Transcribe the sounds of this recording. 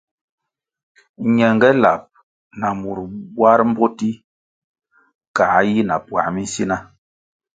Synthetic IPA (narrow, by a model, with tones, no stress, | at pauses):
ɲɛ˨ŋ˨ɡɛ˦la̰˨p̚ | na˨mu˨ɾbwa˦ɾm̩˦bo˦ti˦ | ka˨˦ji˦na˨pwa̰˨mi˦n˦si˦na˦